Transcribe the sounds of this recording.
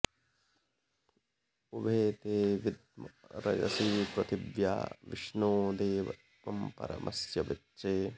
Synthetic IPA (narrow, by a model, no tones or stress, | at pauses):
ubʱeːt̪eːʋid̪mɐɾɐ̰d͡ʒɐ̰siːpɾɐt̪iʋja̰ːʋḭʂnoːd̪eːʋɐ̰t̪ʋɐmpɐ̰ɾɐ̰mʔɐ̰sjɐʋɐt͡ʃːt͡ʃeː